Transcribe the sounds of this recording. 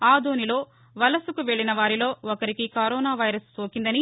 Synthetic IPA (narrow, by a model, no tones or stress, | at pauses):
aːd̪oːnilo̞ː | ʋɐlɐsukuʋe̞ɭːinɐʋaːɾilo̞ːɔkɐɾikikɐɾɔːnaːʋɐjɾɐssoːkind̪ɐni